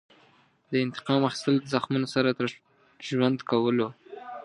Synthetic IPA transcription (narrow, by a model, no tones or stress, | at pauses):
d̪əɪnt̪ɪ̥qɑmaxi̥st̪əld̪əzaxmunosaɾat̪əɾ | ʒwand̪kawəlo